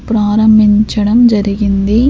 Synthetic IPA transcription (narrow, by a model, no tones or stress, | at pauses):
pɾaːɾɐmbʱɪɲt͡ʃːɐɽɐmd͡ʒɐɾiɡind̪eː